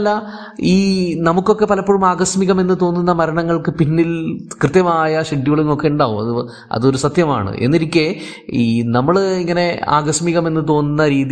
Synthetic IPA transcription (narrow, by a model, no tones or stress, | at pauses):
ɐlːɐ | iːnɐmukːo̞kːe̞pɐlɐpːoɻumaːɡɐsmiɣɐme̞nːɨt̪o̞ːnːunːɐmɐɾɐɳɐŋːɐɭkɨpinːilkrɨt̪jɐmaːjɐɕɐɖːiɣuɭuŋːo̞kːe̞uɳɖaːʋumɐ̰ðɨ | ɐ̰ðo̞ɾusɐt̪jɐma̰ːɳɨ̰ʔe̞̰nːiɾikʲːe | inɐmːɐɭiŋːɐne̞a̰ːɡɐsmiɣɐme̞nːɨt̪̬o̞ːnːunːɐɾiːði